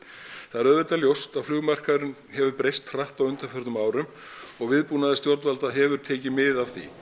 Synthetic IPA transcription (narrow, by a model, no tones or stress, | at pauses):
θaðɛɾœðvɛt̪aljowst̪aðflʏɣmar̥kaðɾʏn | hɛvʏpɾejst̪r̥aht̪awʏnt̪aɾfœɾt̪ʏmaːwɾʏm | ɔɣvɪðpunaðɪst̪jɔɾt̪valt̪aɦɛvʏɾ̥t̪ʰeːjcɪmɪðav̥θḭ